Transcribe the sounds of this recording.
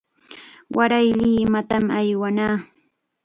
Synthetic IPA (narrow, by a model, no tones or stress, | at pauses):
waɾajlɪmat̪amajwanaː